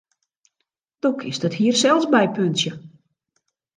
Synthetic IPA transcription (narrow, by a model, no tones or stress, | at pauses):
dɔkʰɪsdɔthiərsɛlˠsbɛjpønsjə